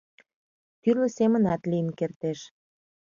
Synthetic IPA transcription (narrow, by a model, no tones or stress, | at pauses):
t̪ylə̆semənɑt̪lijənkert̪eʃ